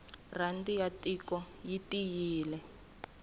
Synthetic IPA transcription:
randijatʼikɔ | jitijiːlɛ

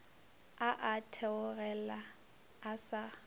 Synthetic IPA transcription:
aʔatʰɛʊɣɛlaː | sa

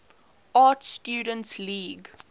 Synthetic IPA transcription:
ɑːtstjuːdə̃ntsliːɡ

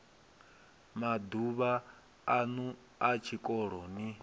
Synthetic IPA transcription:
mad̪uβa | anu | at͡ʃʰikʼɔɺ̤ɔni

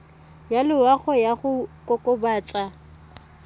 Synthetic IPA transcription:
jalɪwaχɔjaχʊkʼɔkʼɔbaːt͡sʼa

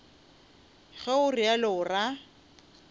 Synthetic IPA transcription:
ɣɛʊrialɪʊra

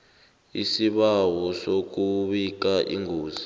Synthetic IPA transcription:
isiɓawɔsok̬uɓik̬aʔḭŋoːzi

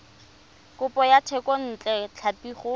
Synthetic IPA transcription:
kʼʊpʼɔjatʰɛkʼɔn̩t͡ɬʼɛt͡ɬʰapiχʊ

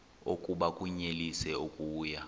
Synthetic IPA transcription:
okʼuɓakʼuɲelisɛukʼuːja

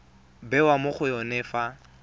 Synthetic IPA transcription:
bɛwamʊχʰʊjɔnɛfa

